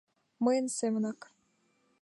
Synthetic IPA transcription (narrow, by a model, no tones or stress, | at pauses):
mɤjə̆nsemə̆nɑk